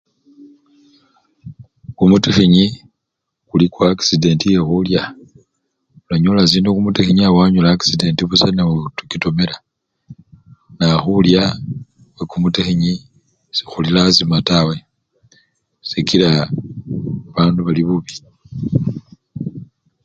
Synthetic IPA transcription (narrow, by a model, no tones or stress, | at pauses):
kumutexiɲi | kulikwaki̥side̞ntije̞xulja | ulaɲolasinokumutexiɲiawaɲolaːki̥side̞ntiβusaneutukito̞mela | naxulja | wekumutexiɲi | si̥xulilazimatawe̞ | sikila | βaːnduβaliβuβi